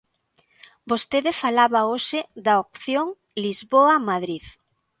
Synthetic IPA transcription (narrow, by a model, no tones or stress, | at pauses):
bost̪eðɪfalaβaoʃɪd̪ɐok̚θjoŋ | lizβoamaðɾið